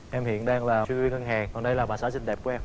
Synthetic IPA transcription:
ʔɛ˧mhḭ˧˨ənɗaː˧ŋlaː˨˩t͡ɕwi˧wi˧ŋə˧nɦaː˨˩kɔ˨˩nɗə˧jlaː˨˩ɓaː˨˩aː˨˥˦sï˧ŋ̟ɗɛ˨˩p̚ku˨˦ʔɛ˧m

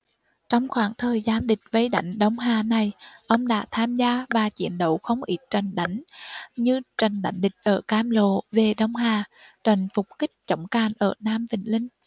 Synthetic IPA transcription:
t͡ɕɔ˧wŋ͡mxwaː˧˩ŋt̪ʰəː˨˩jzaː˧nɗï˨˩k̟̚və˨˦jɗa̰˧˩jŋ̟ɗə˧˦wŋ͡mɦaː˨˩na˨˩jʔə˧wŋ͡mɗa̰ː˧˥t̪ʰaː˧mzaː˧vaː˨˩t͡ɕḭ˧˨ənɗə̰˧˩wxə˧wŋ͡mʔi˦˥t̚t͡ɕa˨˩jŋ̟ɗa˧˦jŋ̟ɲɨ˧t͡ɕa˨˩jŋ̟ɗa̰˨˩˦jŋ̟ɗï˨˩k̟̚ʔəː˧˩kaː˧mlo̰˧˨ve˨˩ɗə˨˧˦wŋ͡mɦaː˨˩t͡ɕa˨˩jŋ̟fʊ˨˩k͡p̚kï˦˥k̟̚t͡ɕə˧˩wŋ͡mkaː˨˩nʔəː˧˩naː˧mvï˨˩ŋ̟lï˧ŋ̟

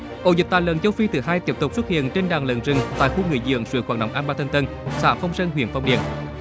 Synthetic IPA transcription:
ʔo̰˧˩zi˨˩k̚t̪aː˧˨lə̰˧˨nzə˧wfi˧t̪ʰɨ˨˩ɦaː˧jt̪i˦˥əp̚t̪ʊ˨˩k͡p̚fə˦˥t̚hḭ˧˨ənt͡ɕe˧nɗaː˨˩ŋlə̰˧˨nzɨ˨˩ŋt̪a̰ː˧˨jxu˧ŋɨ̰˧˨əjzɨ̰˧˨əŋswɨ̰˧˥˦kxwaː˧˩n̚ɗə̰˧˨wʔaː˧nɓaː˧t̪ʰə˧ŋt̪ə˧n | sa̰ː˧˥fə˧wŋ͡msə˧nɦwḭ˧˨ənfa˧wŋ͡mɗḭ˧˨ən

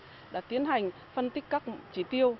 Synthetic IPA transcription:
ɗa̰ː˧˥t̪i˨˦ənɦa˨˩jŋ̟ | fə˧nt̪ï˦˥k̟̚kaː˦˥k̚t͡ɕi˧˩t̪i˧əw

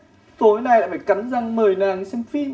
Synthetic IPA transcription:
t̪o˨˦jna˨˩jlaː˧˨faː˧˩jka˨˦mza˧˩ŋməː˨˩jnaː˨˩ŋsɛ˧mfi˧

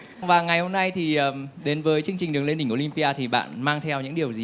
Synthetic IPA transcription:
vaː˨˩ŋa˨˩jho˧mna˧jt̪ʰi˨˩əː˨˩ɗe˨˦nvəː˨˦jt͡ɕɨ˧əŋt͡ɕi˨˩ŋ̟ɗɨ˨˩əŋle˧ni˧˩ŋʔo˧li˧mpi˧ʔaː˧t̪ʰi˨˩ɓa̰ː˧˨nmaː˧ŋt̪ʰɛ˧wɲɨ̰˧˥ŋɗi˨˩əwzi˨

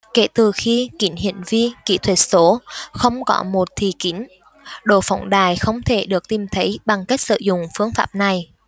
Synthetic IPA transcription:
kḛ˧˩t̪ɨ˨˩xi˧kḭ˧˩˦nɦḭ˧˨ənvi˧kḭ˧˥t̪ʰwə˨˩t̚so˨˦xə˧wŋ͡mkɔ˨˦mo˨˩t̚t̪ʰi˨˩ki˨˦n | ɗo̰˧˨fɔ˨˧˦wŋ͡mɗaː˨˩jxə˧wŋ͡mt̪ʰe˧˩ɗɨ˨˩ək̚t̪i˨˩mt̪ʰə˨˦jɓa˨˩ŋka˦˥jk̚sɨ̰˧˨zʊ̰˧˨ŋ͡mfɨ˧əŋfaː˦˥p̚na˨˩j

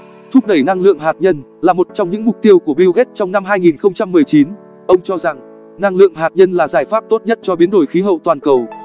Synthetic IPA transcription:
t̪ʰʊ˦˥k͡p̚ɗə˧˩jna˧ŋlɨ̰˧˨əŋɦaː˨˩t̚ɲə˧n | laː˨˩mo˨˩t̚t͡ɕɔ˧wŋ͡mɲɨ̰˧˥ŋmʊ˨˩k͡p̚t̪i˧əwku˧˩əɓi˧wɣe˦˥t̚t͡ɕɔ˧wŋ͡mna˧mɦaː˧jŋi˨˩nxə˧wŋ͡mt͡ɕa˧mːɨ˨˩əjt͡ɕi˨˦n | ʔə˧wŋ͡mt͡ɕɔ˧za˨˩ŋ | na˧ŋlɨ̰˧˨əŋɦaː˨˩t̚ɲə˧nlaː˨˩zaː˧˩jfaː˦˥p̚t̪o˦˥t̚ɲə˦˥t̚t͡ɕɔ˧ɓi˨˦ənɗo˧˩jxi˨˦ɦə̰˧˨wt̪waː˨˩nkə˨˩w

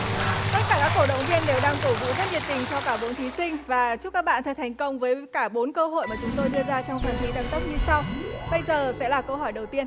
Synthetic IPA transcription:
t̪ə˦˥t̚kaː˧˩kaː˦˥kːw̚ɗə̰˧˨wŋ͡mvi˧ənːe˨˦wɗaː˧ŋko˧˩vṵ˧˥zə˦˥t̚zi˨˩ət̪ï˨˩ŋ̟t͡ɕɔ˧kaː˧˩ɓo˨˦nt̪ʰi˨˦sï˧ŋ̟vaː˨˩t͡ɕu˦˥kːaː˦˥k̚ɓa̰ː˧˨nt̪ʰə˨˩t̪ʰa˨˩jŋ̟kə˧wŋ͡mvəː˨˦jkaː˧˩ɓo˨˦nkəː˧ɦo̰˧˨jmaː˨˩t͡ɕʊ˨˦ŋ͡mt̪o˧jɗɨ˧əzaː˧t͡ɕɔ˧wŋ͡mfə˨˩nxi˨˦ɗa˨˧˩ŋt̪ə˦˥wk͡p̚ɲɨ˧sa˧wɓə˧jzəː˨˩sɛ̰˧˥laː˨˩kə˧wɦɔ˧˩jɗə˨˩wt̪i˧ən

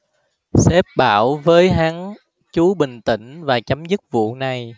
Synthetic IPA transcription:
sɛ˦˥p̚ɓa̰ː˧˩wvəː˨˦jɦa˨˦ŋ | t͡ɕu˨˦ɓï˨˩ŋ̟t̪ḭ̈˧˩ŋ̟vaː˨˩t͡ɕa˨˦mzɨ˦˥k̚vṵ˧˨na˨˩j

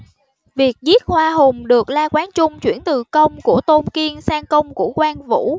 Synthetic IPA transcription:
vi˨˩ək̚zi˦˥t̚hwaː˧ɦʊ˨˩ŋ͡mɗɨ˨˩ək̚laː˧kwaː˨˦nt͡ɕʊ˧ŋ͡mt͡ɕwḭ˧˩ənt̪ɨ˨˩kə˧wŋ͡mku˧˩ət̪o˧nki˧ənsaː˧ŋkə˧wŋ͡mkṵ˧˩əkwaː˧nvṵ˧˥

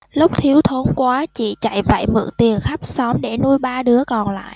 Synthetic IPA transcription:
lʊ˦˥k͡p̚t̪ʰi˨˦əwt̪ʰo˨˦nkwaː˨˦t͡ɕḭ˧˨t͡ɕa̰˧˨jvə̰˧˨jmɨ̰˧˨ŋt̪i˨˩ənxa˦˥k͡p̚sɔ˨˦mɗe˧˩nu˧jɓaː˧ɗɨ˨˦əkɔ˨˩nla̰ː˧˨jʔ

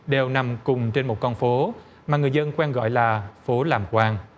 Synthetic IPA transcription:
ɗe˨˩wna˨˩mkʊ˨˩ŋ͡mt͡ɕe˧nmo˨˩t̚kɔ˧nfo˨˦ | maː˨˩ŋɨ˨˩əjzə˧nkwɛ˧nɣɔ̰˧˨jlaː˨˩fo˨˦laː˨˩mkwaː˧n

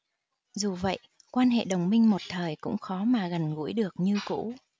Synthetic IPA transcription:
zu˨˩və̰˧˨j | kwaː˧nɦḛ˧˨ɗə˨˩wŋ͡mmï˧ŋ̟mo˨˩t̚t̪ʰəː˨˩jkʊ̰˧˥ŋ͡mxɔ˨˦maː˨˩ɣə˨˩nɣṵ˧˥jɗɨ˨˩ək̚ɲɨ˧kṵ˧˥

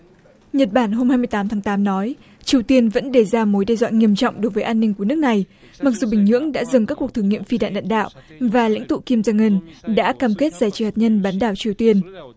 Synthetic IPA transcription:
ɲə˨˩t̚ɓaː˧˩nɦo˧mhaː˧jmɨ˧əjt̪aː˨˦mt̪ʰa˨˦ŋt̪aː˨˦mnɔ˨˦j | t͡ɕi˨˩əwt̪i˧ənvə̰˧˥nɗe˧˩zaː˧mo˨˦jɗɛ˧zwa̰ː˧˨ŋi˧əmt͡ɕɔ̰˧˨wŋ͡mɗo˨˦jvəː˨˦jʔaː˧nːï˧ŋku˧˩ənɨ˦˥ək̚na˨˩j | ma˨˩k̚zu˨˩ɓï˨˩ŋ̟ɲɨ̰˧˥əŋɗa̰ː˧˥zɨ˨˩ŋkaː˦˥kːu˨˩ək̚t̪ʰːəŋḭ˧˨əmfi˧ɗa̰ː˧˨nɗa̰ː˧˨nɗa̰ː˧˨wʔvaː˨˩la̰˧˥jŋt̪ṵ˧˨ki˧mzaː˧ŋə˧nɗa̰ː˧˥kaː˧mke˦˥t̚z̥aː˧˩jt͡ɕi˨˦haː˨˩t̚ɲə˧nɓaː˨˦nɗaː˧˩wt͡ɕi˨˩əwt̪i˧ən

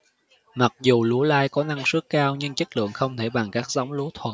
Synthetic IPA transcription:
ma˨˩k̚zu˨˩lu˨˦laː˧jkɔ˨˦na˧ŋsɨ˦˥əkːaː˧wɲɨ˧ŋt͡ɕə˦˥k̚lɨ̰˧˨əŋxə˧wŋ͡mt̪ʰe˧˩ɓa˨˩ŋkaː˦˥k̚za˨˦wŋ͡mlu˨˦t̪ʰwə̰˨˩n̚

